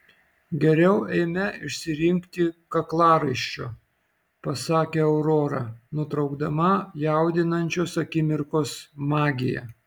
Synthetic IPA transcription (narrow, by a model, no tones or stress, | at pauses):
ɡʲɛɾʲɛʊɛɪmʲɛɪʃʲsʲɪɾʲɪŋʲkt̪ʲɪkɐklˠɑːɾɐɪʃʲt͡ʃʲoː | pɐsɑːkʲeːɛʊɾoːɾɑnʊt̪ɾɐʊɡd̪ɐmɐjæˑʊd̪ʲɪnɐnʲt͡ʃʲoːsɐkʲɪmʲɪɾkoːsmɑːɡʲɪjɛ̰